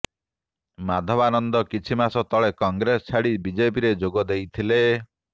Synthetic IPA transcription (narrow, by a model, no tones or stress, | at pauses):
mad̪ʱɔbanɔnd̪ɔkit͡ʃʰimasɔt̪ɔɭekɔŋɡɾesɔt͡ʃʰaɽibid͡ʒepiɾed͡ʒoɡɔd̪ejt̪ʰile